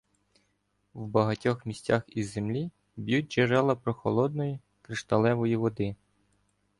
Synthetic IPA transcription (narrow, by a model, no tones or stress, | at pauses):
wbɐɦɐtʲɔxmʲisʲtʲaxizːemlʲi | bʲjut̚ʲt͡ʃeɾɛlˠɐpɾɔxɔ̰lˠɔd̪̚nɔji | kɾɪʃt̪ɐlˠɛʋɔjiʋɔd̪ɪ